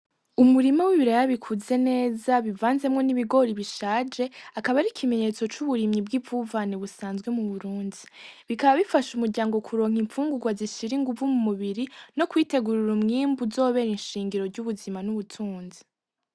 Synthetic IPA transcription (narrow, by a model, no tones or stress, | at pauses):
umuɾimawiβiɾajaβikʰuze̞ne̞ːzaβivaːnze̞mŋo̞niβiɡo̞ɾiβiʃaːd͡ʒe̞akaβaɾikʰime̞ɲe̞t͡so̞t͡ʃuβuɾimɲib̚ɡivuvaniβusaːnzɡwe̞muβuɾuːndiβikaβaβifaʃumuɾɟaːŋɡo̞kʰuɾo̞ːŋ̥iɱfuːŋɡuɡwaziʃiɾiŋɡuvumumuβiɾino̞kwiːte̞ɡuɾuɾumŋiːmbuzo̞ːβe̞ɾinʃiːŋɡiɾo̞ɾɟuβuzimanuβutʰuːnzi